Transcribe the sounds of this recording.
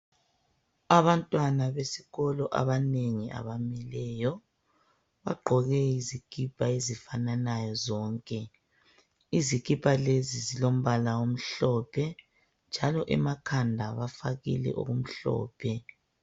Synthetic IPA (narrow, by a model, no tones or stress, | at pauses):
aβantʼwanaβesiɣɔlɔʔa̰βaneŋiʔa̰βamɛlɛjɔ | βaɡ͡ǃʱɔɣɛizikʰʼipʰʼaezifananajɔzɔːŋkʼɛ | izikʰʼipʰʼalezizilom̩βalawom̩ɬɔːpʰɛ | nd͡ʒʱalɔʔɛ̰makʰandʱaβafaɣḭlɛ̰ʔo̰ɣum̩ɬɔ̰ːpʰɛ